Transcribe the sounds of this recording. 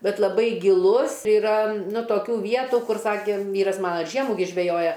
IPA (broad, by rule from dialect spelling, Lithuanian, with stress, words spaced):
ˈbʲɛt lˠɐˈbɐɪ ɡʲɪˈlˠʊs ɪˈrɐ toːˈkʲuː ˈʋʲiɛtuː ˈkʊr ˈsɑːkʲeː ˈʋʲiːrɐs ˈmɑːnɐ ɪr ˈʒʲiɛmuː ɡʲɪ ˈʒʲʋʲæːjoːjɛ